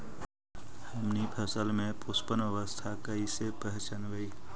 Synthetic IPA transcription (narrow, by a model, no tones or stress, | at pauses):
həmnipʰəsəlmẽpʊspənəʋəst̪ʰakəisepəɦt͡ʃənʋəi